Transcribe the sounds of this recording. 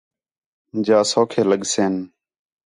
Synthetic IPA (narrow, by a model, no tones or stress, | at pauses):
d͡ʒaːsoːkʰeːləɠseːn